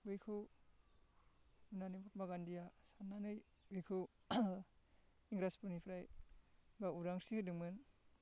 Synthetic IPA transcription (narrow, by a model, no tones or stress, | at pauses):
ujkʰɯw | unanibat̚maɡandijasanːanɯj | ujkʰɯw | iŋɡɾaspunipʰɾaj | bauɾaŋsihɯdɯŋmɯn